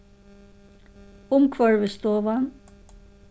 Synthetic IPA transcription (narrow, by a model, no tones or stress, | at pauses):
ʊmkʰʋœɹʋəst̪oːʋɑn